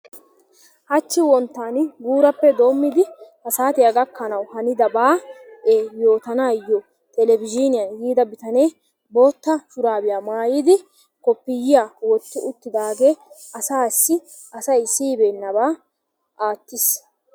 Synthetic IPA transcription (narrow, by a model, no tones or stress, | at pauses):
hɐt͡ʃːɪwɔnt̪ːaːnɪɡuːɾɐpːɛd̪o̞ːmːɪd̪ɪhɐsaːt̪ɪɐɡɐkːɐnɐwhɐnɪd̪ɐbaːʔeːjo̞ːt̪ɐnaːjːɔ | t̪ɛlɛbɪd͡ʒɪnɪjɐnjiːd̪ɐbɪt̪ɐneː | bo̞ːt̪ːɐʃʊɾaːbɪjaːmaːjɪd̪ɪ | kɔpːɪjɪjaːwɔt̪ːʊʔʊt̪ːɪd̪aːɡeː | ɐsaːsːɪ | ʔɐsɐjsiːbeːnːɐbaː | ʔaːt̪ːɪs